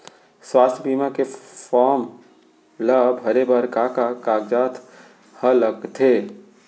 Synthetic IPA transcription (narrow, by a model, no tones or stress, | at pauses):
swaːst̪ʰbiːmãkefɔːɾm | ləbɦɐɾebəɾkaːkakaːɡd͡ʒaːt̪ʰ | hələkt̪ʰeː